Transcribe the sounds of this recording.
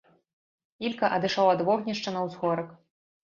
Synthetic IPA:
ilʲkɐʔɐd̪ɨʂawɐd̪vɔɣnʲɐʂt͡ʂɐnɐwzɣɔɾɐk

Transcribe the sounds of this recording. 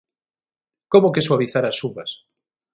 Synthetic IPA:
komokeswaβiθaɾasuβas

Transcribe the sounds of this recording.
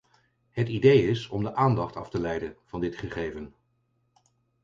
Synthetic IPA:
ɦətidejɪsɔmdəʔaːndɑχtɑftəlɛjdəv̥ɑndɪtχəχejvən

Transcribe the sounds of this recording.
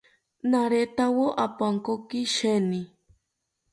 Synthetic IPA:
naɾet̪awoʔapaŋkokiʃeni

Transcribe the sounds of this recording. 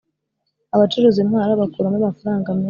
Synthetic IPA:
aβat͡ʃuɾuzimhaːɾaβakuːɾamamafaɾaːŋɡamɲa

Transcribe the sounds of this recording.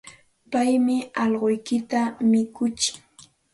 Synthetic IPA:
pajmɪɑʎɢojkɪt̪amɪkʊt͡ʃɪ̥ŋ

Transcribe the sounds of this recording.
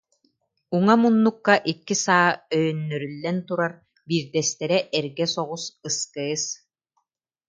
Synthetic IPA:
uŋamunːukːaʔikːisaːœjœnːœɾylːɛnt̪uɾaɾ | biːɾd̪ɛst̪ɛɾɛʔɛɾɡɛsɔʁusɯskɯːs

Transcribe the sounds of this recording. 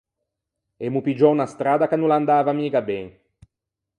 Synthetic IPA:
emupid͡ʒɔunast̪ɾaːd̪akanːuland̪aːvamiːkabɛŋ

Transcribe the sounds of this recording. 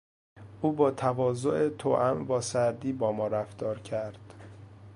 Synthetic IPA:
ʔuːbɒːt̪ʰævɒːzoʔet̪ʰo̰ːʔæmvɒːsæɾd̪iːbɒːmɒːɾæfd̪ɒːɾcʰæɾd̪̥

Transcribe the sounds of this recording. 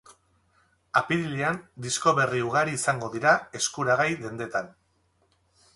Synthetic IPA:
apiɾiliand̪isko̞βe̞riuɣ̞aɾiːsaŋɡo̞ðiɾae̞skuɾaɣ̞ajðe̞nd̪e̞t̪an

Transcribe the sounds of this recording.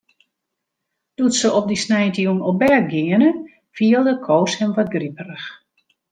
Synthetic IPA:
d̥utsəɔpdisnɛjtəjunɔbɛɡɪənə | fiəlˠdəkʰoːshɛmʋɔt̚ɡripərəx

